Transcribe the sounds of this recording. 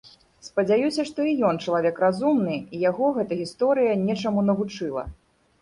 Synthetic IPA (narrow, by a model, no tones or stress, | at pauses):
spɐd͡zʲajusʲɐʂt̪ɔijɔnt͡ʂɐlˠavʲɛkrazumnɨijaɣɔɣɛt̪ɐɣʲist̪ɔɾɨjɐnʲɛt͡ʂamunɐvut͡ʂɨlˠɐ̰